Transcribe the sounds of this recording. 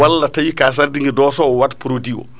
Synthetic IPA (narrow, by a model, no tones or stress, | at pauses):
alːatajikas̬aɾdiŋɡɛdɔːsɔɔwatpuɾodiɔ̰